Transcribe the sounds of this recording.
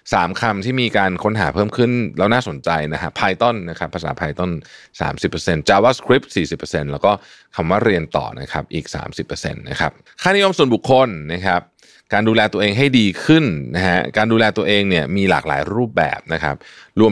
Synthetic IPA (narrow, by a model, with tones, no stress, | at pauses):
saː˩˦mkʰa˧mt̪ʰiː˥˩miː˧kaː˧nkʰo˦˥nɦa̰ː˩˦pʰɤː˥˩mkʰɯ˥˩nlɛː˦˥wnaː˥˩so˩˦nt͡ɕa˧jna˦˥kʰa˦˥pʰaː˧jt̪o˥˩nːa˦˥kʰa˦˥pʰːa˧saː˩˦pʰaː˧jt̪o˥˩n | sa̰ː˩˦msi˨˩pːə˧se˧nt͡ɕaː˧waː˦˥˩skʰɾi˦˥p̚siː˨˩si˨˩pːə˧se˧nlɛː˦˥wkɔː˥˩ | kʰa˧mwaː˥˩ɾi˧ənt̪ɔ̰ː˨˩na̰˦˥kʰa˦˥p̚ʔiː˨˩k̚sa̰ː˩˦msi˨˩pːɤː˧sḛ˧nːa̰˦˥kʰa˦˥p̚ | kʰaː˥˩ni˦˥jo˧msu˨˩ənbu˨˩kʰːo˧nːa˦˥kʰa˦˥p̚ | kaː˧nduː˧lɛː˧t̪u˧əʔeː˧ŋɦa˥˩jdiː˧kʰɯ˥˩nna˦˥ɦa˦˥kaː˧nduː˧lɛː˧t̪u˧ɐʔeː˧ŋni˥˩ɐmiː˧la̰ː˨˩k̚la̰ː˩˦jɾuː˥˩p̚bɛ̰ː˨˩p̚na˦˥kʰa̰˦˥p̚ɾu˧ə